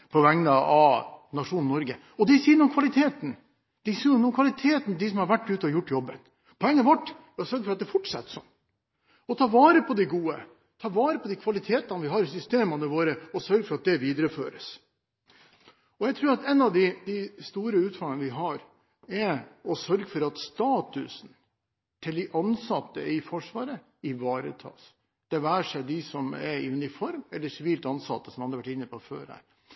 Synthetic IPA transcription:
pʰɔʋɛŋnəɑnɑʂuːnn̩nɔɾɡə | ɔd̪ɛsiːnɔmkʰʋɑlɪt̪ʰeːt̪n̩ | d̪̥ɛsiːnɔmkʰʋɑlɪt̪ʰeːt̪nd̪ɪs̬ɔmhɑɾʋæʈːʉːt̪ɔɾjʊʈːjɔbːən | pʰɔɛŋːənʋɔʈː | sœɾɡəfɔɾɑt̪d̪ɛfʊʈːʂɑ̰t̪ːsɔm | ɔt̪ʰɑːʋɑːɾəpʰɔd̪ɪɡuːə̰ | t̪ʰɑːʋɑːɾəpʰɔd̪ɪkʰʋɑlɪt̪ʰeːt̪ɑnəʋɪɦɑːɾɪsʏst̪eːmɑnəʋoːɾəɔsœɾɡəfɔɾɑt̪̚d̪ɛʋiːd̪əɾəfø̰ːɾəs | ɔjɛɡt̪ʰɾʉːɾɑt̪ɛnːɑʋd̪ɪd̪ɪst̪uːɾəʉːt̪fɑŋənəʋɪɦɑɾ | ɛɔsœɾɡəfɔɾɑt̪st̪ɑːt̪ʉ̰sn̩ | t̪ʰɪld̪ɪʔɑnsɑt̪ːə̰ɪfɔʂʋɑːɾə | ɪʋɑːɾə̰t̪ʰɑ̰ːs | d̪̥ɛʋæːʂɛɪd̪ɪsɔmɛ̰ɾɪ̰ʉnɪfɔɾmɛlːəsɪʋiːlt̪ɑnsɑ̰t̪ːə̥sɔmhɑnːəʋæʈɪnːəpʰɔfø̰ːɾæ̰ːɾ

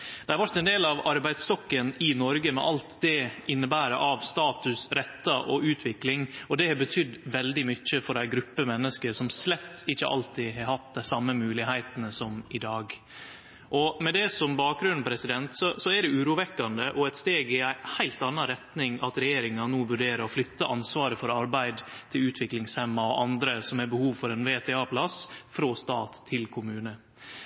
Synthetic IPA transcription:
d̪̥ɛhɑɾʋɑʈːɛnd̪eːlɑʋɑɾbæɪd̪st̪ɔkːənɪnɔɾɡəmɛ̰ʔɑlt̪d̪ɛɪnːəbæːɾəʔɑʋst̪ɑːt̪ʉsɾɛt̪ːɑʔɔʔʉːt̪ʰʋɪklɪŋɔd̪ɛhɑbət̪ʰʏd̪ːʋɛld̪ɪmʏçːəfɔɾæɪɡɾʉpːəmɛnːəskəɾʂɔmslɛt̪ʰːɪçːə̰ʔɑ̰lt̪ʰɪɦɑɾhɑt̪̚d̪æɪsɑmːəmʉːlɪhæɪt̪ənəsɔmɪd̪ɑːɡ | ʔɔmɛd̪ɛsɔmbɑːk̚ɡɾʉnpʰɾɛsɪd̪ɛnt̪sɔsɔɛɖɛʉːɾuːʋɛkːɑnd̪əʔɔɛt̪st̪eːɡɪæɪhæɪlt̪ɑnːɑɾɛt̪nɪŋɑt̪ɾɛjeːɾɪŋɑnoːʋʉɖeːɾəɾɔflʏt̪ːəʔɑnsʋɑːɾəfɔɾɑɾbæɪd̪t̪ʰɪlʉːt̪ʰʋɪklɪŋshɛmːɑɔʔɑnd̪ɾəsɔmhɛɾbəhuːʋfɔɾɛnʋeːt̪ʰɛɑːpʰlɑsfɾoːst̪ɑːt̪ʰːɪlkʰʊmʉːnə

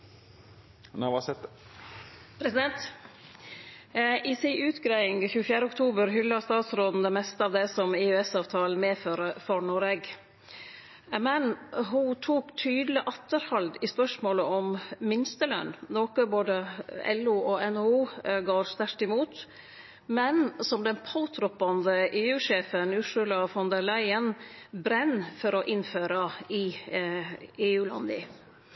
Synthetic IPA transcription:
nɑsɛ | pʰɾɛsɪd̪ɛnt̪ | ʔɪsɪʔʉːt̪ɡɾæɪɪŋçʉːəfjæːɾəʊkt̪ʰuːbəɾɦʏlːɑst̪ɑːt̪sɾoːd̪n̩d̪ɛmɛst̪əɑːʋd̪ɛsɔmɪʉɛsɑːʋt̪ʰɑːl̩meːføːɾəfɔɳɔɾɛɡ | mɛnɦʊt̪ʰuːkt̪ʰyːd̪əlɪʔɑt̪ːəɾhɑld̪ɪspœʂmoːləɔmmɪnst̪əlœ̰nːnoːkəboːd̪əɛ̰luːɔɛnuːɡoːɾst̪æɾt̪ɪmuːt̪ | mɛnsɔmd̪ɛnpʰɑʊt̪ʰɾɔpːɑnd̪əʔeːʉːʂeːfənʉːʂʉlɑfɔnd̪əɾlæɪənbɾɛnːfɔɾɔʔɪnføːɾɑɪ | eːʉːlɑ̰nd̪ə̰

